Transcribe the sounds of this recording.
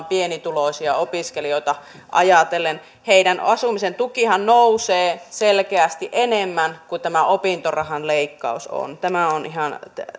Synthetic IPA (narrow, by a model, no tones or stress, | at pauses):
mpienit̪uloisiɑopiskelioˑit̪ɑ | ʔɑ̰jɑt̪elen | heidænʔɑsumisent̪ukihɑnnouseːselkeæst̪iʔenemːænkut̪æmæopint̪orɑhɑnleikːɑ̰uso̰nt̪æmæonʔiɦɑn